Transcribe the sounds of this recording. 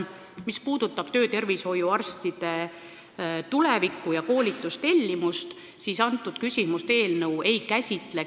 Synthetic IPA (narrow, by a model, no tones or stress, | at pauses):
mispuːd̪̥ut̪ːˑɑb̥t̪ø̞ːt̪e̞rvisho̞juɑrst̪id̪̥e̞ | t̪ulɛvikːˑujɑko̞ːlʲit̪ːˑust̪e̞lʲːimust̪ | siːsɑnt̪ːˑud̪̥kysʲimust̪e̞ːlnɤwe̞jkæsʲit̪ˑle